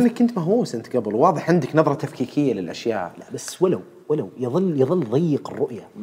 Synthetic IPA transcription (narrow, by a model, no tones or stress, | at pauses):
ɪnːakːʊnt̪maɦuːsʔɪnt̪ɡabɪlwwɑːðˤɨħʕɪnd̪ɪknɑðˤɾˤɑt̪afkiːkʰɪjːalɪlʔaʃja̰ːʔlabasːwalaw | walawjðˤɨlːjɨðˤɨlːðˤɑjːɪqɪrˤːʊʔja